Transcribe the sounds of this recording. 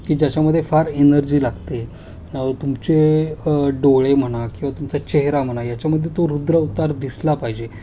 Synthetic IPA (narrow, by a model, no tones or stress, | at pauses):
kiːd͡ʑjat͡ɕaməd̪ʱːjefaɾenəɾd͡ʑiːlaɡt̪e | ət̪umt͡se | ɖoɭem̤əɽ̃akĩw̃ʋat̪umt͡sat͡ɕeɦɾam̤əɽ̃ajat͡ɕaməd̪ʱːjet̪oɾud̪ɾəut̪aɾd̪islapaɦid͡ʑe